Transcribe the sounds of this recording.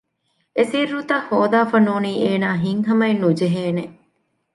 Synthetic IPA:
esiɾːut̪ɐhːoːd̪aːfɐnuːniːeːnaːɦiŋɦɐmɐenud͡ʒeɦeːneʔ

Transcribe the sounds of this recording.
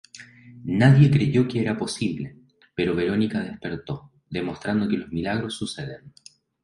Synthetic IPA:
naðje̞kɾe̞ʝo̞keeɾapo̞siβle | pe̞ɾo̞βe̞ɾo̞nikað̞e̞spe̞ɾt̪o̞ | ðemo̞st̪ɾand̪o̞kelo̞zmilaɣɾo̞sːuse̞ðen

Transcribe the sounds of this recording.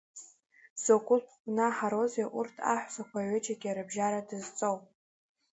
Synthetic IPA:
zokʷʼʊlpʰʷnaħaɾo̞zeʔurtʰa̰ħʷzakʷʰaʕʷet͡ʃʰʼaɡʲiaɾɨbʒaɾadɨzt͡sʼowpʼ

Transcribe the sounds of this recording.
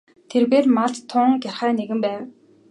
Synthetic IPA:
t̪ʰerɣeːrmaɮt̪t̪ʰːʊŋɡʲarχæːneɣɘ̆mpæːw

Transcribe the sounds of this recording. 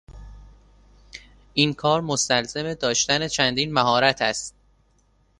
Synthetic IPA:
ʔiːnkʰɒːɾmost̪ælzeme̞d̪ɒːʃt̪æne̞t͡ʃʰænd̪iːnmæɦɒːɾæt̪ʰæst̪̚

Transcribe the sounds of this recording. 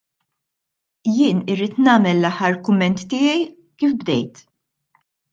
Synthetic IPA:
jɪːnɪɾːiːt̪nɐːmɛlːɐħːɐɾkʊmːɛnt̪ːɪːjɛj | kiːfbd̪ɛ̰jt̪

